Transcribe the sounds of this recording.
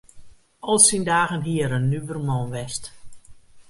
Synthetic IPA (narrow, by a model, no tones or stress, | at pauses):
ɔlˠsindaːɣənɦiəɾənːybərmɔnʋɛst